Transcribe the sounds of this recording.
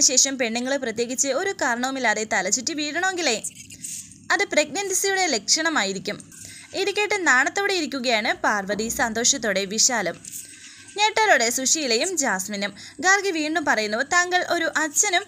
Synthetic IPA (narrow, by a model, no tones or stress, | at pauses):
ɕe̞ːʂɐmpe̞ɳːiŋːɐɭɨprɐt̪je̞ːɣit͡ɕːɨo̞ɾukaːɾɐɳɐʋumilːaːðe̞t̪ɐlɐt͡ɕːiʈːɨʋiːɽɐɳɐmeŋɡile̞j | ɐðɨpreɡ̚nɐndisijuɽe̞le̞kʂɐɳɐmaːjiɾikʲːum | iðikʲːeːʈːɨnaːɳɐt̪ːoːɽejiɾikʲːuɣɐjaːɳɨpaːrʋɐðisɐnd̪o̞ːʂɐt̪̬ːoɽe̞ʋiɕaːlɐm | ne̞ːʈːɐɾoɽe̞suʂijilejumd͡ʑaːsminːɐmɡaːrɡɨʋiːɳɖumpɐrɐjunːɐt̪aːŋɡɐɭʔo̞ɾuʔɐt͡ɕːɐnum